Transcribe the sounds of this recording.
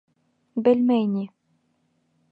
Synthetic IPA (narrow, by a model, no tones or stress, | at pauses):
bɘ̆lʲmenʲi